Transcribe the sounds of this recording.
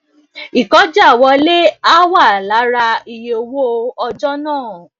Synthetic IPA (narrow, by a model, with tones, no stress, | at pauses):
i˨kɔ˨˦d͡ʒa˦˨wɔ˧˦le˦a˦wa˦˨la˨˦ɾa˧i˨je˦o˧wo˦˧ɔ˧d͡ʒɔ˦nãː˦˨